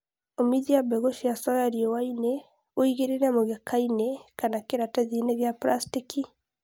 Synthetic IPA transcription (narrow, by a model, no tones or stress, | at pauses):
omiðiabɛɣoʃiasɔjaɾiɔwaine | oiɣeɾenamoɣekʰainɛkanakeɾataðineɣjapɾastiki